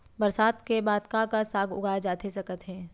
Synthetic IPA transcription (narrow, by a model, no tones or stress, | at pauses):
bəɾsaːd̪kebaːd̪kakasaːɡʊ̰ɡʱaːjad͡ʒaːt̪esɐkət̪ɦɛː